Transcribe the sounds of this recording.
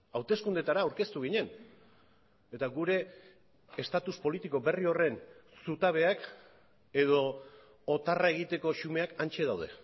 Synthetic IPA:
awt̪e̞skund̪e̞t̪aɾaːwɾke̞st̪uɣ̞iɲe̞n | e̞t̪aɣuɾe̞ː | st̪at̪uspo̞lit̪iko̞be̞rio̞re̞nsut̪aβ̞e̞ak | e̞ð̞o̞ː | t̪arae̞ɣ̞it̪e̞ko̞ʃume̞akant͡ʃe̞ðawð̞e̞̰

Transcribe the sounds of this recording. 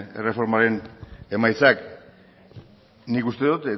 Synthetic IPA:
ḛre̞fo̞ɾmaɾe̞ne̞majt͡sak | nikust̪e̞ðut̪e

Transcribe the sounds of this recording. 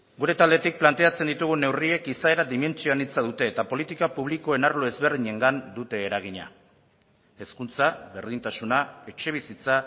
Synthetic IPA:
ɡuɾe̞t̪ald̪e̞t̪ik̚plant̪e̞at͡se̞nd̪it̪uɣune̞wrie̞kisae̞ɾad̪ime̞nt͡sioanit͡saðut̪e̞ːt̪apo̞lit̪ikapuβ̞liko̞e̞naɾloe̞zβe̞ɾðiɲe̞ŋɡand̪ut̪e̞ːɾaɣ̞iɲa̰ | eskunt͡saβe̞ɾð̞int̪asunae̞t͡ʃe̞β̞isit͡sa

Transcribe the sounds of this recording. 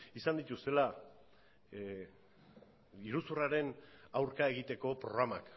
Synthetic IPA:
isand̪it̪ust̪e̞la | iɾusuraɾe̞nawɾkae̞ɣ̞it̪e̞ko̞pɾo̞ɣ̞ɾama̰k

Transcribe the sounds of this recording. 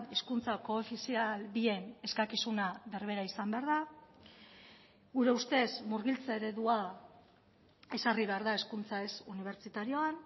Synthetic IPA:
e̞skunt͡sako̞efisialβie̞ne̞skakisunaβe̞ɾβe̞ɾaisambe̞aɾða | ɣuɾe̞ust̪e̞zmuɾɣilt͡saeɾe̞ðua | e̞sariβe̞aɾðae̞skunt͡saesuniβ̞e̞ɾt͡ʃit̪aɾio̞an

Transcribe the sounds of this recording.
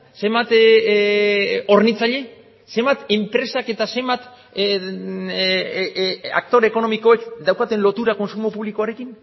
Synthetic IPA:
se̞mbat̪ | o̞rnit͡saʎe̞ | se̞mbat̪e̞mpɾe̞sake̞t̪ase̞mbat̪ | a̰k̚t̪o̞ɾeko̞no̞miko̞ekd̪awkat̪e̞nlo̞t̪uɾako̞nsumo̞puβlikoaɾe̞kin

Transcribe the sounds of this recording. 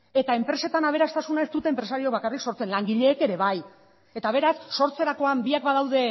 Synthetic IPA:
e̞t̪ae̞mpɾe̞se̞t̪anaβ̞e̞ɾast̪asunae̞st̪ut̪e̞ːmpɾe̞saɾiok̚βakarikso̞ɾt͡se̞nlaŋɡiʎe̞ːke̞ɾe̞βaj | e̞t̪aβ̞e̞ɾasːo̞ɾt͡se̞ɾako̞ambiakbaðawðe̞

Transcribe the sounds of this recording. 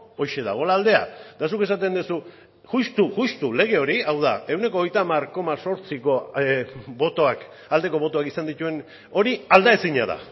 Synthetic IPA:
o̞jʃe̞ða̰ɣ̞o̞laːld̪e̞a̰d̪̥asuke̞s̬at̪e̞nd̪usu | ʝust̪uɣust̪ule̞ɣ̞e̞o̞ɾiawðae̞wne̞ko̞jt̪amaɾko̞maso̞ɾt͡siko̞ | bot̪oak | ald̪e̞ko̞β̞o̞t̪oakisand̪it̪ue̞n | o̞ɾiald̪aesiɲa̰ða̰

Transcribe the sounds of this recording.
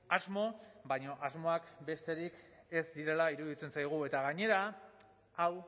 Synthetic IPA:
azmo̞bajɲo̞ʔazmo̞akbe̞st̪e̞ɾike̞zd̪iɾe̞laiɾuðit͡se̞nsajɣ̞ue̞t̪aɣaɲe̞ɾa | aw

